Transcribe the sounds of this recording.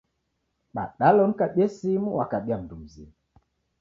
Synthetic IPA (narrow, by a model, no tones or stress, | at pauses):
ɓa̰ɗalɔŋ̩kaɓɛsimuwakaɓiam̩dum̩zḭmu